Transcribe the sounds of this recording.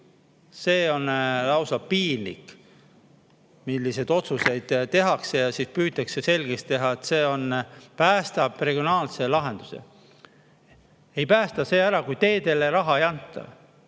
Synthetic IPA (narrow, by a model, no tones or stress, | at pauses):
seːo̞nlɑwsɑpiːnlḭkːˑ | milːise̞d̪̥o̞t̪suse̞jd̪̥t̪ːe̞ɦɑkse̞jɑsiːspyːt̪ːˑɑkse̞se̞lɡ̥est̪ːe̞ɦɑet̪ːˑse̞ːo̞npæːst̪ɑb̥re̞ɡ̥io̞nɑːlse̞lɑɦe̞nd̪̥use̞̰ | e̞jpæːst̪ɑse̞ːæɾɑkujt̪e̞ːt̪e̞leɾɑɦɑejɑnt̪ːˑɑ̰